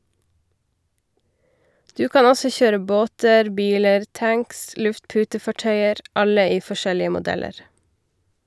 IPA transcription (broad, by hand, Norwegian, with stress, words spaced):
ˈdʉː ˈkɑːn ˈɔsɔ ˈçøːɾə ˈboːtəɾ ˈbiːləɾ ˈtæŋks ˈlʉftˌpʉːtəfɑˌʈœʏəɾ ˈɑlə ˈiː fɔˈʃɛlɪə mʊˈdɛləɾ